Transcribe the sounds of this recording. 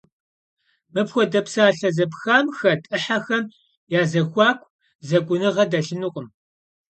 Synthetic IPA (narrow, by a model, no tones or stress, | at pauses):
mɨpxʷɔdɐpsaːɬɐzɐpxaːmxɐtʼɨħaxɐm | jaːzɐxʷɑːkʷʰʼ | zɐɡʷʊnɨʁɐdɐɬɨnuqʼəm